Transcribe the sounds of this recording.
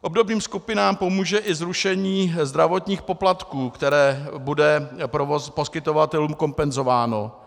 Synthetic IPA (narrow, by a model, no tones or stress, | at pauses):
ʔobdo̞bniːmskupɪnaːmpo̞muːʒɛʔɪzɾuʃɛɲiːzd̪ɾavo̞t̪ɲiːxpo̞plat̪kuːkt̪ɛɾɛːbudɛpɾopo̞skɪt̪o̞vat̪ɛluːmko̞mpɛnzo̞vaːno̞̰